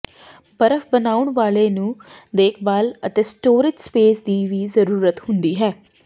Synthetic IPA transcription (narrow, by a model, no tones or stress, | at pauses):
bəɾəfbənaːʊɳʋaːleːnũːd̪eːkʰbaːlət̪eːsʈoːɾɪd͡ʒspeːsd̪iːʋiːzəɾuːɾət̪hʊnd̪iːɦɛː